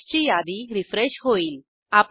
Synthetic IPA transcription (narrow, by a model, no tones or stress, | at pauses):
t͡ɕijad̪iɾifɾeɕɦoiːl | ap